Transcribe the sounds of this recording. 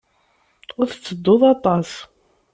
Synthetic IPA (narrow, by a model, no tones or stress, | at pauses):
ʊɾθt͡sːəd̪ːʊðˤɑt̪ˤɑs